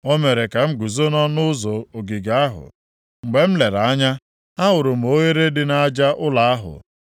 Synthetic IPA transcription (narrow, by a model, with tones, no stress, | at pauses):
o˦me˨ɾe˨ka˨ŋ͡m̩˦ɡu˨zo˦nɔ˦nʊ˦zo˨o˨ɡi˨ɡa˦ɦʊ̰˨ | ŋ͡m̩˨ɡ͡be˨m̩˦le˨ɾa˦ɲa˦ | a˦ɦʊ˨ɾʊ˨m̩˨o˦ɣe˦ɾe˦dɪ˦na˦d͡ʒa˦ʔʊ˦la˨a˦ɦʊ̰˨